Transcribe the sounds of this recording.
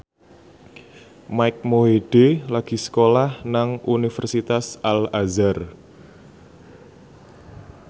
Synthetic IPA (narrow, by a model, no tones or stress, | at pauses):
majk̚moɦeɖ̥elaɡ̥i̤sə̥kolahnaŋʔunifərsit̪asalazar